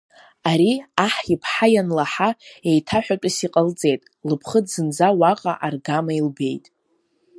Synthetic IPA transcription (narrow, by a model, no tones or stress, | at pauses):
aɾiaħipʰħajanlaħae̞jtʰaħᶣaʈ͡ʂʷʼɨsiqʼəlt͡sʼe̞jtʼ | lɨpʰχədzɨnd͡zawaqʼaʔarɡamailbe̞jtʼ